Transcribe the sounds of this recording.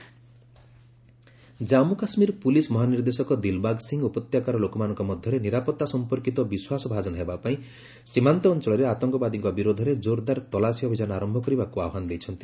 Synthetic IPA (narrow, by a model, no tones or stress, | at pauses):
d͡ʒamukasmiɾpulismɔɦaniɾd̪esɔkɔd̪ilbaɡsiŋɡupɔt̪jakaɾɔlokɔmanɔ̃ŋkɔmɔd̪ʱjɔɾeniɾapɔt̪ːasɔmpɔɾkit̪ɔbiswasɔbʱad͡ʒɔnɔɦebapaĩ | simant̪ɔːnt͡ʃɔɭɔɾeat̪ɔŋkɔbad̪iŋkɔbiɾod̪ʱɔɾed͡ʒoɾd̪aɾt̪ɔlasiɔbʱid͡ʒanɔaɾɔmbʱɔkɔɾibakuaɔɦanɔd̪ejt͡ʃʰɔnt̪i̥